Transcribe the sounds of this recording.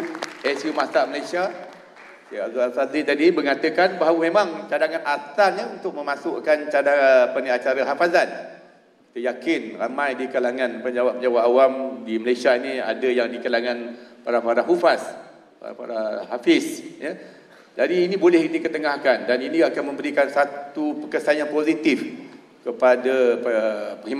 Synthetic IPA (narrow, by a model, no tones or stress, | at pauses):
ɛsimasaməlajsia | sajaʔazualsazit̪adibəŋat̪əkanbaɦaumemaŋt͡ʃadaŋanʔat̪aɲaunt̪ʊk̚mə̃mãsʊʔkant͡ʃadapaniat͡ʃaɾaɦafazan | kit̪əjakɪnramãjdikalaŋãnpəɲd͡ʒawap̚məɲd͡ʒawaʔawamdiməlajsiainia̰dajaŋdikalaŋãnpaɾapaɾaɦufas | pa̰ɾa̰pa̰ɾahafɪsja | d͡ʒadiːnĩbolɛhdikət̪əŋahkandaniniakanmə̃mbəɾikansat̪upəkəsaanjaŋpozit̪ɪf | kəpadapəpəim